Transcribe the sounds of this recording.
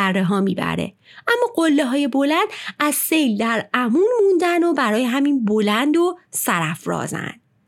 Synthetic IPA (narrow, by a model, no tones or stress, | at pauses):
ærːeɦɒːmiːbæ̰ɾe̞̰ | ʔæmːɒːɡo̞lːeɦɒːje̞bo̞lænd̪æzse̞jld̪æɾæmuːnmund̪ænd̪o̞bæɾɒːjeɦæminbo̞lænd̪o̞sæɾæfɾɒ̰ːzæ̰nd̪̥